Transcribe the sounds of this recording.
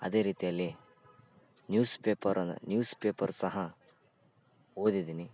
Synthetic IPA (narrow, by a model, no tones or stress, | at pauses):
ɐ̰d̪e̞ːɾiːt̪ijɐlːi | njuːspeːpɐɾɐn̰njuːspeːpɐɾusɐɦɐ | ɦo̞ːd̪id̪iːni